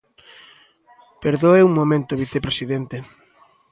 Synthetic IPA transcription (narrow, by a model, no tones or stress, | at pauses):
peɾðoeuŋmomẽnt̪oβiθepɾesiðent̪e